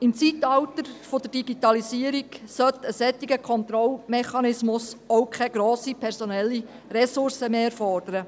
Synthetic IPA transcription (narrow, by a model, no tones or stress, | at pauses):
ɪmt͡sit̪ɑwt̪əɾfod̥̪əɾd̥iɡ̥it̪ɑlisiəɾiksœt̪əsɛt̪ːiɡəkʰɔnt̪ɾɔlmɛχɑnɪsmʊsowkʰɛɡɾoːsipʰɛɾsɔnɛlːi | ɾɛsʊrsəmeːɛɾfɔrd̥̪əɾə